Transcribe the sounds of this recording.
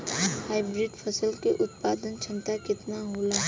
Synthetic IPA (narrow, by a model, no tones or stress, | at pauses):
haːɪbɾɪɖpʰɐsəlkeʔʊt̪̚paːd̪ənt͡ʃʰɐ̃nt̪akɪt̪naɦoːlaː